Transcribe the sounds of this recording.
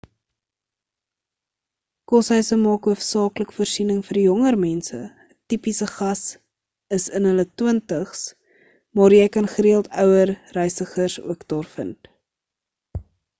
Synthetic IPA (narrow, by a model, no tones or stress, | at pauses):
kɔsɦœɥsəmɑːkɦuəfsɑːkləkfuːrsinəŋfərjɔŋərmɛnsə̰ | ətipisəχɐs | əsənɦələtwəntəχs | mɑːɾjɛjkɐnχəɾiəlˠtœwərːɛjsəχərsṵəkdɑːrfə̰nt